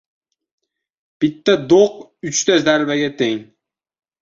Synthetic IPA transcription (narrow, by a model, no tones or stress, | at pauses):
b̥ɪt̪ʰːad̪oq | ʊt͡ʃt̪ʰazaɾbaɡʲat̪ʰeŋ